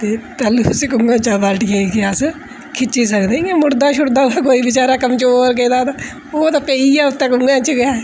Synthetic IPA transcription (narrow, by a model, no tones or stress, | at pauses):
t̪eːt̪ɛːluːskʊŋɡãːt͡ʃaːbaʈɡẽːkeəs | kʰɪt͡ʃːiːs̬əkd̪eĩãːmʊɽd̪aːʃʰʊɽd̪ãːd̪aːkoːiːbɪt͡ʃaːɾaːkəmt͡ʃoːɾkeːd̪aːt̪aː | oːt̪aːpeːiːaːʊt̪ːẽːkʊŋɡãːt͡ʃəɡaː